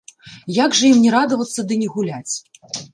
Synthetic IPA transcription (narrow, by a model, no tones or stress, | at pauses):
jaɡʐɐjimnʲɛɾad̪ɐvɐt̪sːɐd̪ɨnʲɛɣulʲat͡sʲ